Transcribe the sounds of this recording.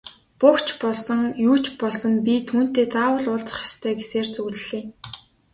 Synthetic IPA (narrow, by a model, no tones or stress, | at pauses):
pʊkt͡ɕpɔɮsɞ̆ŋjuːt͡ɕpɔɮsɞ̆mpʲit̪ʰuːn̥t̪eːt͡saːwə̆ɮʊːɮt͡sə̥̆χjɔ̥st̪ʰœːɡeseːrt͡suɣɮɮeːŋ